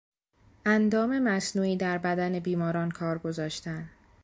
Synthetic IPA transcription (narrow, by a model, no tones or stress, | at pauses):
ʔænd̪ɒːme̞mæsnuːiːd̪æɾbæd̪æne̞biːmɒːɾɒːnkʰɒːɾɡo̞zɒːʃt̪æn